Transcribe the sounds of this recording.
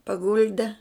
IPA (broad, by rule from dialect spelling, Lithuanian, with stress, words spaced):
pɐˈɡʊlʲdʲɛ